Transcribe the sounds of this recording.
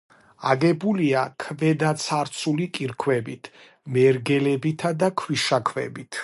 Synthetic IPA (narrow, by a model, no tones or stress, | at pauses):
aɡɛbuliakʰvɛd̪at̪sʰaɾt̪sʰulikʼiɾkʰwɛbit̪ʰ | mɛɾɡɛlɛbit̪ʰad̪akʰwiʃakʰwɛ̰bit̪ʰ